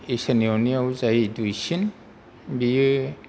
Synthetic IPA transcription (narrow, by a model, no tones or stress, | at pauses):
isanioniawzajdujsin | bi